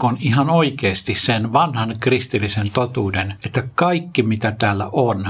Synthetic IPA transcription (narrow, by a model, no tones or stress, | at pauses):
onihɑnoikeːst̪issenʋɑnhɑnkrist̪ilːisent̪ot̪uːdenet̪ːækɑikːimit̪æt̪æːlːæ̰ʔon